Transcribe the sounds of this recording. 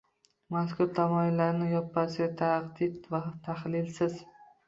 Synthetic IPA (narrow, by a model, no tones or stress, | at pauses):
maskʰʊɾt̪ʰamɒɪlːaɾnɪjɒpʰːasɪɡʲat̪ʰaqd̪ɪd̪vat̪ʰaχlɪlsɪz̥